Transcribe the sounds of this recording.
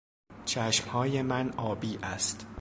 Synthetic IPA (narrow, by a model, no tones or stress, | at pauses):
t͡ʃʰæʃmhɒːje̞mænɒːbiːʔæst̪